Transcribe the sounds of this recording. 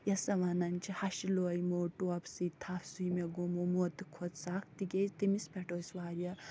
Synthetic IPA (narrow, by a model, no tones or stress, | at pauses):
jɐsɐʋɐnɐnt͡ʃʰihɐʃiloːjmoːʈuɐpsit̪ʰafsujmeɡomomot̪ɨ̥kʰot̪sakʰt̪iɡʲezt̪imispʲɛʈoːsʋaːɾjɐ